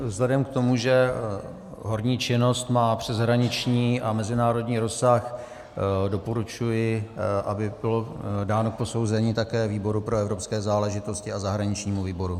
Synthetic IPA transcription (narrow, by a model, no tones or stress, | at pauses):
vzlɛdɛmkt̪o̞muʒɛ | ɦo̞ɾɲiːt͡ʃɪno̞st̪maːpr̝̥ɛzɦɾaɲɪt͡ʃɲiːʔamɛzɪnaːɾo̞dɲiːɾo̞sax | do̞poɾut͡ʃujɪʔabɪbɪlodaːno̞k̚po̞so̞wzɛɲiːt̪akɛːviːbo̞ɾupɾoɛvɾo̞pskɛːzaːlɛʒɪt̪o̞scɪazaɦɾaɲɪt͡ʃɲiːmuviːbo̞ɾu